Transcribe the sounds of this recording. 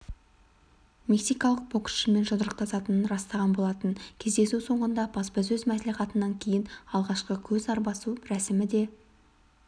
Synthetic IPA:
me̞ksijkɑlˠəq̚bo̞kʃɪme̞nʒənəɾəq̚t̪ʰɑsɑt̪ənənɾɑst̪ɑʁɑnbo̞lˠɑt̪ənkʲʰe̞zd̪e̞suso̞ɴʁənd̪ɑbɑsbɑzɵzmæsliχɑt̪ənːɑŋkʲʰe̞jɪnɑlˠʁɑʃqəkʲʰɵzɑɾbɑsuɾæsɪmɪd̪e̞

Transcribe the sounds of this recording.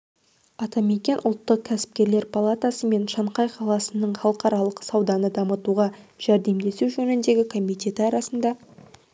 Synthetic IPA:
ɑt̪ɑme̞kʲe̞nʔʊlˠt̪ːəq̚kʲʰæsɪ̥p̚kʲe̞ɾle̞ɾpʰalˠat̪asəme̞nʃɑɴqɑjqʰɑlˠɑsənəɴχɑlˠəqɑɾɑlˠəqsɑwd̪ɑnəd̪ɑmət̪uʁɑʒ̥æɾd̪e̞md̪e̞suwʒɵnɪnd̪e̞ɡʲɪkʰo̞mijt̪ʲe̞t̪ɑɾɑsənd̪ɑ

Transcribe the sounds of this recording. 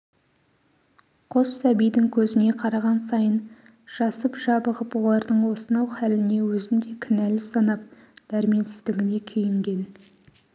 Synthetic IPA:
qʰo̞sːæbijd̪ɪŋkʲʰɵzɪne̞qʰɑɾɑʁɑnsɑjən | ʒ̥ɑsəpʒ̥ɑbəʁəpwo̞lˠɑɾd̪əɴwo̞sənɑwχælɪne̞wɵzɪnd̪e̞kʲʰɪnælɪsɑnɑp̚ | d̪̥æɾmiensɪ̥zd̪ɪɡʲɪne̞kʲʰejɪŋɡʲe̞n

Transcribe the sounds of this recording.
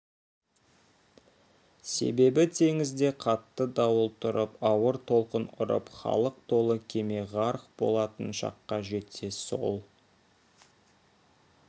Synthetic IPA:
se̞̰be̞bɪt̪ʰe̞ŋɪzd̪e̞qʰɑt̪ːəd̪ɑwəlˠt̪ʰʊɾəpɑwəɾt̪ʰo̞lˠqənʊ̰ɾə̰pχɑ̰lˠəq̚t̪ʰo̞lˠəkʲʰe̞me̞ʁɑɾəqbo̞̰lˠɑt̪ənʃɑ̰qːɑʒe̞t̪ːe̞so̞̰lˠ

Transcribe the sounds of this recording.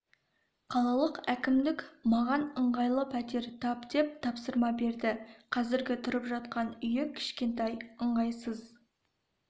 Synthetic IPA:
qʰɑlˠɑlˠəqækʲɪmd̪ɪkmɑʁɑnəɴʁɑjlˠəpʰæt̪e̞ɾt̪ʰɑpd̪e̞p̚t̪ʰɑpsəɾmɑbe̞ɾd̪ɪqʰɑzɪɾɡʲɪt̪ʰʊɾəpʒɑt̪̚qɑnʏjɪkʲʰɪ̥ʃkʲe̞nt̪ɑjəɴʁɑjsəz

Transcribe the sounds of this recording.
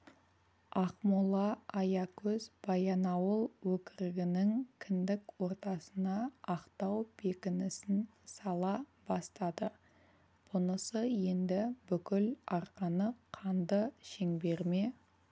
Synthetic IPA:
ɑqmulˠɑɑjɑkʲʰɵzb̥ɑjɑnɑwəlˠwɵkʲɪɾɪɡʲɪnɪŋkʲʰɪnd̪ɪkwo̞ɾt̪ɑsənɑːqt̪ɑwb̥ekʲɪnɪsɪnsɑlˠɑbɑst̪ɑd̪ə | b̥ʊnəsəje̞nd̪ɪbʏkʲɪlɑɾqɑnəqʰɑnd̪əʃe̞ŋbe̞ɾme̞

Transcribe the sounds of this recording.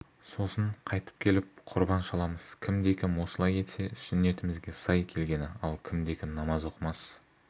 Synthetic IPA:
so̞səɴqʰɑjt̪ə̥p̚kʲʰe̞lɪp̚qʰʊɾbɑnʃɑlˠɑməz̥kʲʰɪmd̪e̞kʲʰɪmwo̞səlˠɑje̞t̪seʏsʏne̞t̪ɪmɪzɡʲe̞sɑjkʲʰe̞lɡʲe̞nɪɑlˠkʲʰɪmd̪e̞kʲʰɪnnɑmɑzo̞qəmɑs

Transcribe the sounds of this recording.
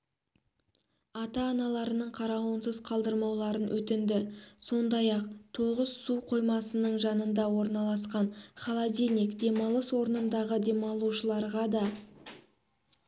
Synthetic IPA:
ɑt̪ɑːnɑlˠɑɾənəɴqʰɑɾɑwənsəzqʰɑlˠd̪əɾmɑwlˠɑɾənwɵt̪ɪnd̪ɪso̞nd̪ɑjɑqt̪ʰo̞ʁəz̥suqʰo̞jmɑsənəɴʒɑnənd̪ɑwo̞ɾnɑlˠɑsqɑɴχɑlˠad̪ʲinikd̪e̞mɑlˠəswo̞ɾənənd̪ɑʁəd̪e̞mɑlˠuʃəlˠɑɾʁɑd̪ɑ

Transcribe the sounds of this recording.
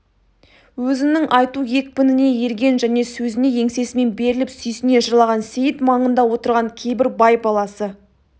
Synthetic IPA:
wɵzɪmnɪŋʔɑjt̪uje̞k̚ʲpɪnɪne̞je̞ɾɡʲe̞nʒæne̞sɵzɪne̞je̞ŋse̞sɪme̞nbe̞ɾɪlɪpsʏjsɪne̞ʃəɾlˠɑʁɑnsejɪt̪mɑɴənd̪ɑwo̞t̪əɾʁɑŋkʲʰe̞jbɪɾbɑjbɑlˠɑsə

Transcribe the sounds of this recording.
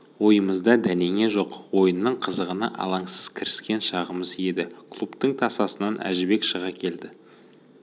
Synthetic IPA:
wo̞jəməzd̪ɑd̪æne̞ŋe̞ʒo̞qwo̞jənːəɴqʰəzəʁənə̰ʔɑ̰lˠɑɴsəz̥kʲʰɪɾɪskʲe̞nʃɑʁəməzje̞d̪ɪkʰlˠupt̪əɴt̪ʰɑsɑsənɑnʔæ̰ʒɪbe̞kʃəʁɑkʲʰe̞ld̪ɪ

